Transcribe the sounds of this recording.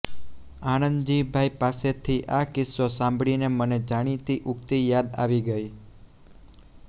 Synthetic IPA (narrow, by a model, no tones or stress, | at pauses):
aɽ̃ənd̪d͡ʒibʱaipaset̪ʰiʔakɪsosãmbʱɭineməned͡ʒaɽ̃it̪iʔukt̪ijad̪a̰ʋiɡəi